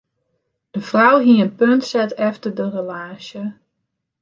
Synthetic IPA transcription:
d̥əfrawɦiənpøntsɛtɛftərdərəlaːsjə

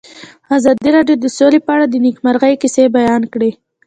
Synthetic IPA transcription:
azɑd̪iɾɑɖjod̪əsolepəaɽad̪ənikmaɾɣəjkɪsebajɑnkɽe

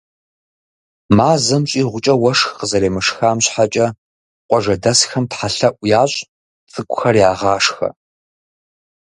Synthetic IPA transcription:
maːzɐmɕʼiːʁʷʊt͡ʃʼɐwɐʂxqəzɐɾeːmɨʂxaːmɕħat͡ʃʼɐ | qʷɔʐɐdɐsxɐmtħaɬɐʔʷʼjaːɕʼ | t͡sʼɨkʷʼʊxɐrjaːʁɑːʂxɐ̰

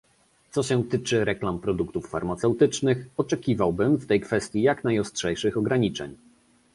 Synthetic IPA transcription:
t̪sɔɕɛt̪ɘt͡ʂɘɾɛklampɾɔd̪ukt̪ufːa̰ɾmat̪sɛwt̪ɘt͡ʂnɘxɔt͡ʂɛkʲivawbɘmft̪ɛjkfɛst̪ʲjijakn̪ajɔstʂɛjʂɘxɔɡɾaɲit͡ʂɛ̰ɲ

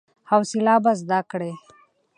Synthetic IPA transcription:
hawsilaːbazd̪akɽe

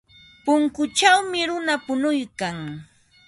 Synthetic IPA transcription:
pʊŋkʊt͡ʃawmɪɾʊnapʊnʊjkaŋ

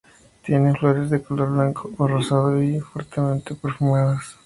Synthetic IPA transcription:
t̪jenefloɾezðekoloɾβlaŋkʰoːrosaðoifweɾt̪ement̪epeɾfomaðas

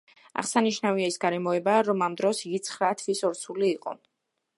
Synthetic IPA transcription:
a̰ʁsaniʃnaviaisɡaɾɛmɔɛbaɾɔmamd̪ɾɔsɡit̪sʰχɾat̪ʰvisɔɾt̪sʰuliːqʼɔ̰

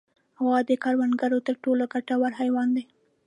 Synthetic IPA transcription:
awɑd̪əkɑɾwanɡaɾot̪əɾʈoloɡaʈawaɾɦajwɑnd̪ej

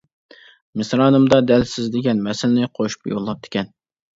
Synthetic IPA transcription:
mɪsɾɑːnɨmd̪ɑd̪ɛlsɪzd̪ɪɡʲɛnmɛsɪlɪnɪqʰoʃu̥pjo̰lˠːɑp̚d̪̥ʰɪ̥kʲɛn

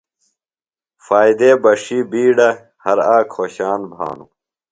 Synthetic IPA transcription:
faːid̪eːbɐʂiːbiːɖɐ | hɐɾaːkʰoːɕaːnbʱa̰ːnṵ

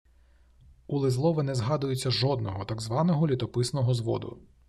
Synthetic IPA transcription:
ulˠɪzlˠɔʋɪnɛzɦɑd̪ʊjʊt͡sʲːɐʒɔd̪nɔɦɔt̪ɑɡzʋɑnɔɦɔlʲit̪ɔpɪsnɔɦɔzʋɔ̰d̪ʊ̰

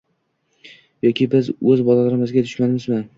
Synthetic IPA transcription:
jɒkʲʰɪbɪzɵzbɒlalaɾɪmɪzɡʲat̪ʰʊʃmad̪ɪmɪzmɪn

